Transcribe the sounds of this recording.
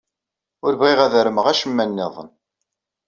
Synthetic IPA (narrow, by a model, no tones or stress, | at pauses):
ʊɾvʁiʁæðɾəməʁæʃəmːænːɪðˤə̰n